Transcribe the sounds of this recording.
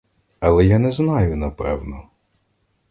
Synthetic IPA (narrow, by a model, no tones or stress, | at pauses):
ɐlˠɛjanɛznɑjʊnɐpɛ̰wnɔ